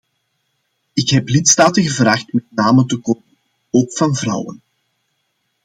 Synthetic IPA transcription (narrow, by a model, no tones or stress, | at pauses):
ɪkɦɛplɪtstaːtəɣəvɾaːxtmɛtnaːməntəkoːmən | oːkfɑnvrʌ̰wə̰n